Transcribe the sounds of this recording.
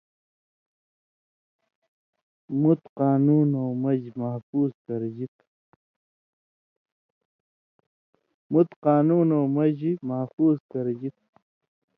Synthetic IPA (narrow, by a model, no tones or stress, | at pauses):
mut̪qaːnuːnowmɐd͡ʑimɐhfuːzkɐɾd͡ʑit̪̚ | mut̪qaːnuːnowmɐd͡ʑimɐhfuːzkɐɾd͡ʑit̪̚